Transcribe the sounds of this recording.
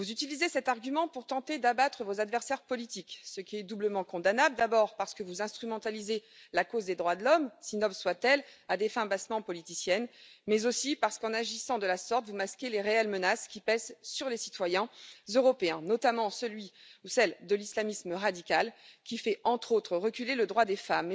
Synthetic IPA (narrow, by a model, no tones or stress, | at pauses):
vuzyt̪ilizesɛt̪aʁɡʲymɑ̃puʁt̪ɑ̃t̪ed̪abat̪χəvozad̪vɛʁsɛʁpɔlit̪iksəkʲiɛd̪ubləmɑ̃kɔ̃d̪anabld̪abɔʁpaʁsə̥kəvuzɛ̃st̪χymɑ̃t̪alizelakozd̪ed̪ʁwad̪əlɔmsinɔbswat̪ɛlad̪efɛ̃basmɑ̃pɔlit̪isjɛnmɛzosipaʁsə̥kɑ̃naʒisɑ̃d̪əlasɔʁt̪vumaskʲeleʁeɛlmənaskʲipɛzsyʁlesit̪wajɛ̃zøʁɔpeɛ̃nɔt̪amɑ̃səlɥiusɛld̪əlislamisməʁad̪ikʲalkʲifɛɑ̃t̪χot̪χəʁəkʲyleləd̪ʁwad̪efam